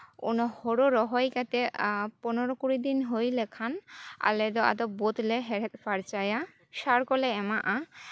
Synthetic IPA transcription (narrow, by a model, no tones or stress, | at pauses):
o̰nɔhɔɾoɾɔɦɔjkat̪epɔnoɾokuɾid̪inɦojlekʰana̰led̪ɔa̰d̪ɔbot̪leɦɛɾet̪paɾt͡ɕaja | ʃaɾkɔleɛmaʔa